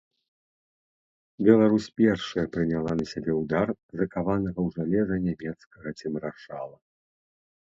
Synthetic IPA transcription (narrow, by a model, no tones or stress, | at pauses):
bʲɛlˠaɾusʲpʲɛrʂɐjɐpɾɨnʲalˠanɐsʲabʲɛwd̪arzɐkavanɐɣɐwʐalʲɛzɐnʲamʲɛt̪skɐɣɐt͡sʲɛmɾaʂalˠɐ